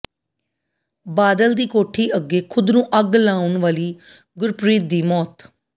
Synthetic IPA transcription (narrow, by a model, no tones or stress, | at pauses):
baːd̪əld̪iːkoːʈʰiːʔəɡːeːkʰʊd̪nũːʔəɡlaːʊɳʋaːliː | ɡʊɾpɾiːt̪̚d̪iːmɔːt̪